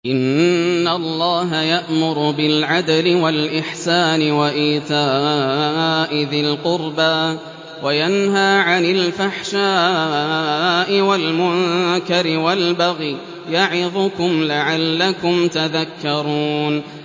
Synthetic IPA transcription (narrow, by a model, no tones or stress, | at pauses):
ʔɪnːalˤːɑːɦajaʔmʊɾʊbɪlʕad̪alɪwalʔɪħsaːnɪwaʔiːt̪aː | ʔɪðalqʊɾbaː | wajanɦaːʕanɪlfaħʃaː | ʔɪwalmʊnkaɾɪwalbaɣi | jaʕɪðˤʊkʊmlaʕalːakʊmt̪aðakːɑɾˤuːn